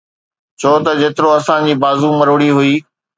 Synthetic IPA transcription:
t͡ɕʰoːt̪ɐd͡ʑeːt̪ɪɾoɐsãd͡ʑiːbaːzumɐɾoɽiɦʊiː

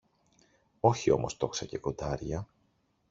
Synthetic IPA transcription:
o̞çio̞̰mo̞̰st̪o̞ksɐce̞ko̞d̪ɐɾʝɐ

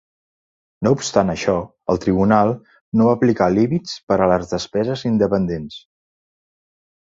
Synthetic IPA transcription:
noupst̪anəʃɔ | əlˠt̪ɾiβunalˠ | noβaplikalimit͡spəɾələzðəspɛzəzind̪əpənd̪ens

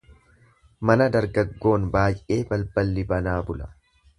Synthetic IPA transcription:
mɐnɐd̪ɐɾɡɐɡːo̞ːnbaːjʔe̞ːbɐlbɐlːɪbɐnaːbʊlɐ̥

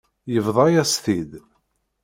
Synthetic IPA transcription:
jəvðˤɑjæst̪id̪

